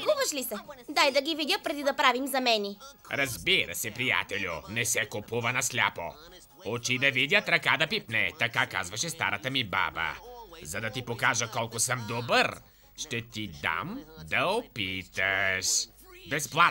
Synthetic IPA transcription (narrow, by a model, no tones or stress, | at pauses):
ɡuvɐʃlisɛd̪ajd̪ɐɡividʲəpɾɛd̪id̪ɐpɾavimzɐmɛni | ɾɐzbiɾɐ̰sɛpɾija̰t̪ɛlʲʊ̰nɛsɛkʊpuvɐnɐslʲapo̰ | ot͡ʃid̪ɐvid̪ʲɐt̪ɾɐkad̪ɐpipnɛt̪ɐkaka̰zvɐʃɛst̪aɾɐt̪əmiba̰bə̰zɐd̪ɐt̪ipokaʒəkɔlˠkʊsəmd̪obəɾ | ʃt̪ɛt̪id̪a̰md̪ɐopit̪ɐʃ | bɛsplˠa